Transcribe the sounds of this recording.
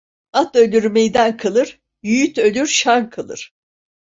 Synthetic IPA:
at̪ølʲyɾmejd̪ænkʰalˠɯɾ | jyjyt̪ø̞lʲyɾʃankʰalˠɯ̰ɾ̥

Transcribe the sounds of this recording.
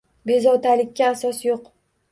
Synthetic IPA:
be̞zɒt̪ʰalɪkʲːaːsɒsjoq

